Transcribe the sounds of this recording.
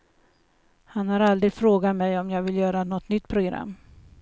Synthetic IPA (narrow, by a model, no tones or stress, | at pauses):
hanhaɾald̪ɾɪɡ̪fɾoːɡat̪mɛjɔmjɑːɡvɪljœːɾanɔt̪ːnʏt̪ːpʰɾʊɡɾa̰mː